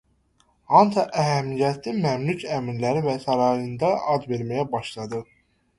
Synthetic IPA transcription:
ɑnt̪ʰɑʔæɦæmijæt̪ʰimæmlucʰæminlæɾivæsɑɾɑjɯnd̪ɑʔɑd͡ʒ̪ve̞ɾmæjæbɑʃlˠɑd̪ɯ

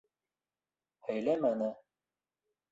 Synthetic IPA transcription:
hæjlæmænɘ

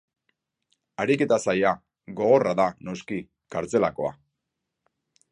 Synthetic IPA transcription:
aɾike̞t̪asaja | ɡo̞ɣo̞raðano̞ski | kaɾt͡se̞lako̞a̰

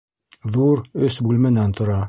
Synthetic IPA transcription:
ðuɾɵsbulmɘ̆nænt̪ʰŏɾɑ

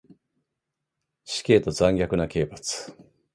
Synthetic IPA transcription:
ɕi̥kʲe̞ːt̪o̞d͡zãŋɡʲakɯ̟nakʲe̞ːpat͡sɨ̥

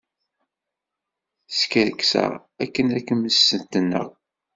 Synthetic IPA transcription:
skəɾksæ̰ækːənækːəməsːənt̪ənːə̰ʁ

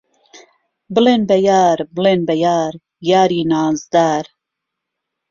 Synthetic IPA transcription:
bɨleːnbɛjaːɾbɨleːnbɛjaːɾ | jaːɾiːnaːzd̪aːɾ

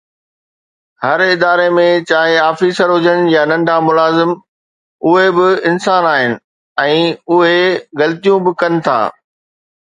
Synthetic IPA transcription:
hɐɾɪd̪aːɾemẽt͡ɕaːɦeaːfiːsəɾɦʊd͡ʑəɽ̃janɐ̃ɳɖʱamʊlaːzɪm | ʊɦebɪɪnsaːnaːɦɪnɪ̆ | ɛ̃ːʊɦeɣɐlt̪ijũbɪkɐnɪ̆t̪ʰa̰ː

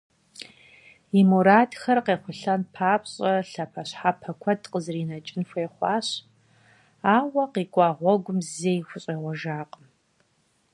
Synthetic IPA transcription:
imuɾaːdxɐrqeːχʷʊɬɐnpʰaːpɕʼɐɬɐpʰɐɕħapʰɐkʷʰɐdʰqəzɨriːnɐt͡ʃʼɪnxʷeːχʷɑːɕ | aːwɐqiːkʷʼɑːʁʷɔɡʷʊmzeːjxʷʊɕʼeːʁʷɔʒaːqʼəm

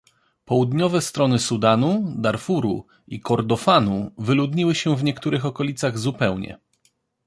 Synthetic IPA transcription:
pɔwud̪ɲɔvɛst̪ɾɔnɘsud̪anud̪aɾfuɾṵ | ikɔɾd̪ɔfanuvɘlud̪ɲiwɘɕɛvɲɛkt̪uɾɘxɔkɔlʲit̪saɣzupɛwɲɛ̰

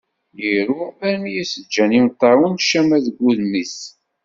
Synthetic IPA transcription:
jiɾuæɾmijisəd͡ʒːænimt̪ˤːɑwənʃæmæðɡʷːuðnis

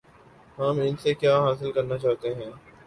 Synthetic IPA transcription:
ɦɐmɪnsekjaːɦaːs̬ɪlkɐɾnat͡ʃaːɦt̪eɦɛ̃ː

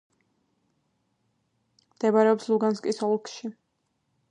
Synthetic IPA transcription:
md̪̥ɛbaɾɛɔpslˠuɡanskʼisɔlˠkʰʼʃi

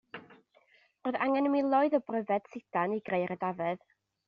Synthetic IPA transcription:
roːða̰ŋɛnəmilˠɔɨðɔbrəðɛd̥sɪdaniɡrejɾədavɛð

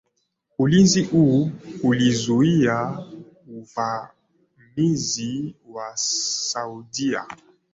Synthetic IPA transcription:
ulinziʔuulizuia | uva | miziwasaudia̰

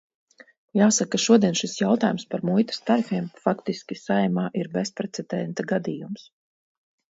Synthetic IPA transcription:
jaːsakːaʃuɔd̪iɛnʃisjawt̪aːjumspaɾmujt̪ḁst̪aɾifiɛmfakt̪iskʲisajmaːʔiɾbespɾɛt̪sɛd̪ɛnt̪aɡad̪iːjums

